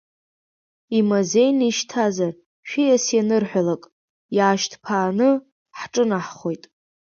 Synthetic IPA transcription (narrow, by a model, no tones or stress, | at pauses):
imoze̞jniʃtʰazar | ʃᶣijasjanɨrħʷᶣalakʼ | jaːʃtʰpʰaːnɨ | ħʈ͡ʂʼɨnaħχo̞jtʼ